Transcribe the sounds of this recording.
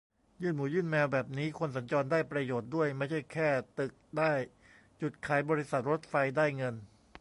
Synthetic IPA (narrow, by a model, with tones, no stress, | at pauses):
jɯː˥˩nmuː˩˦jɯː˥˩nmɛː˧wbɛː˨˩p̚niː˦˥kʰo˧ns̬a˩˦nt͡ɕɔː˧ndaː˥˩jpɾa˧joː˨˩t̪̚du˥˩əjma˥˩jt͡ɕʰa˥˩jkʰɛː˥˩t̪ɯ˨˩k̚daː˥˩j | t͡ɕu˨˩t̪̚kʰaː˩˦jbɔː˧ɾi˦˥sa˨˩t̪̚ɾo˦˥t̪̚fa˧jdaː˥˩jŋɤ˧n